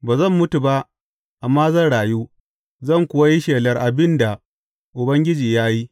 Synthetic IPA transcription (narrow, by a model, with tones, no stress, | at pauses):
baː˨zɐ˦˨mːʊ˦tu˨ba˦ʔ | ʔa˨mːaː˦zɐ˦˨ɽaː˨juː˦ | zɐ˦˨ŋkʷʊ˦wa˦ji˦ʃeː˨lɐ˨rʔa˨bɪ˦nda˨ | ʔʊ˨bɐ˦ŋɡʲɪ˦d͡ʒiː˨jaː˦ji˦